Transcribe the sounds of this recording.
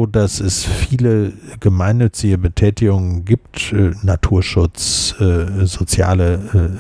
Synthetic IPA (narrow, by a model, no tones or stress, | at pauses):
dasɛsfiːləɡ̥əmaɪnːʏt͡sɪɡəbətʰɛːtɪɡʊŋənɡiːptːnatʰuːɐʃʊt͡sː | zot͡sja̰ːlə